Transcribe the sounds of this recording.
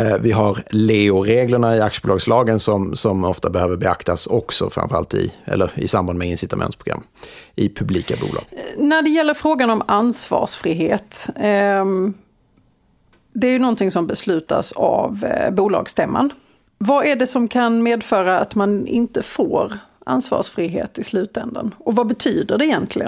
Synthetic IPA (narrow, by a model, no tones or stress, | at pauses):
vɪɦaɾleːʊɾeːɡləɳaɪakʂəbuːlɑːɡslɑːɡənsɔmsɔmɔft̪abɛhøːvəɾbɛakt̪ʰasɔksɔfɾa̰ɱmfœɾa̰lt̪ɪ̰ɛ̰lːəɾɪsamband̪mɛɪnsɪt̪amɛ̰nt̪pʰɾʊɡɾa̰mːʔɪpʰɵbliːkabṵːlɑ̰ːɡ̥næɖɛjɛlːəɾfɾoːɡanɔmansvɑ̰ːʂfɾiːɦeːt̪ | d̪ɛæːjɵnɔnt̪ɪŋsɔmbɛslʉ̟ːt̪a̰sa̰vbuːlɑ̰ːɡst̪ɛmːa̰n | vaæɖɛsɔmkʰanmeːd̪fœːɾaːt̪manɪ̰nt̪əfoːɾʔa̰nsvɑ̰ːʂfɾiɦḛːt̪ɪslʉ̟ːt̪ɛnd̪ə̰nɔvabɛt̪ʰyːd̪əɖɛɪjɛnt̪ʰlɪə